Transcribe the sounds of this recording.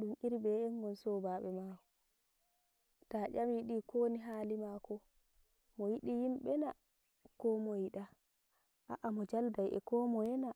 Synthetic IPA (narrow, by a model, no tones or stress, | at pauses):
ɗumiɾbɛɛŋɡɔnsɔbaɓɛmakɔ | taʔamjiɗikʰoːniɦaːlimakɔ | mɔjiɗijimɓɛna | kɔmɔjiɗa | ʔa̰ʔamɔd͡ʒaldajɛ̰kɔmɔjɛna